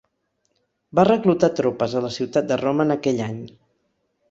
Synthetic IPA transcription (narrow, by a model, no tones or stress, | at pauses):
barəklut̪at̪ɾopəzələsiwt̪at̪̚d̪əroməːnəkɛʎaɲ